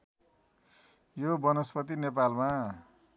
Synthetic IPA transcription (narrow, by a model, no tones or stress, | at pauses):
jobʌnʌspʌt̪̬inepalma